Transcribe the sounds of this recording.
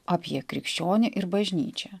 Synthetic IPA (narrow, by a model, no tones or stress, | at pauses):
ɐpʲjiɛkɾʲɪkʃʲt͡ʃʲoːnʲɪʔɪɾbɐʒʲnʲḭːt͡ʃʲɛ